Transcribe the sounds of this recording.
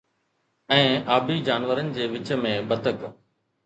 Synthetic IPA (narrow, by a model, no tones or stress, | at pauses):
ɛ̃ːaːbʱiːd͡ʑaːnʋəɾənɪ̆d͡ʑeːʋɪt͡ɕmẽːbət̪ək